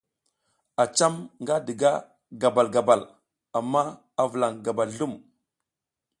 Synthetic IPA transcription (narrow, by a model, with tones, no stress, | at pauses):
a˨t͡ʃa˦mŋɡa˦də˨ɡa˦ | ɡa˨ba˨lɡa˨ba˨l | a˨mːa˦ | a˨və˨la˨ŋɡa˨ba˨lɬu˦˨m